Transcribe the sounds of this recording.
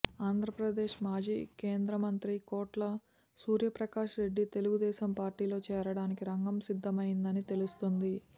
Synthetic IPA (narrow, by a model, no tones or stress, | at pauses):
aːnd̪ʱɾɐpɾɐd̪eːʃmaːd͡ʒḭːke̞ːnd̪ɾɐmɐnt̪ɾikoːʈlɐ | suːɾjɐpɾɐkaːʃɾe̞ɖːit̪e̞luɡud̪ɛːʃɐmpaːɾʈiːlo̞ːt͡ʃɛːɾɐɽaːnikiɾɐŋɡɐmsid̪ʱːɐmɐjind̪ɐnit̪e̞lust̪ond̪i